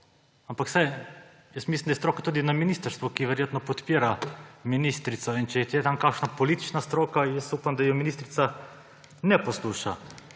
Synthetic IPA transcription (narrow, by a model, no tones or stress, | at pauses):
ampaksaj | jəst̪mislʲimd̪aɛst̪ɾoːkat̪uːd̪inaminist̪əɾst̪ʋɔkiʋɛɾjeːt̪nɔpɔt̪piːɾaminist̪ɾit̪sɔint͡ʃɛjɛt̪jɛt̪amkakʃnapɔlit̪i̥t͡ʃnast̪ɾoːkajəsupamd̪ajɔminist̪ɾit̪sa | nɛpɔsluʃa